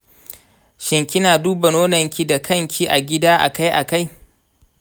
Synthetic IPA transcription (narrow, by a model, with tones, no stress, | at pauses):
ʃɪ˨ŋkʲɪ˦naː˨duː˦ba˨noː˦nɐ˨ŋkʲi˦da˨kʰɐ˦˨ŋkʲʰi˦ʔa̰˨ɡʲɪ˦daː˦ʔa̰˨ka˦jʔa˨ka˦j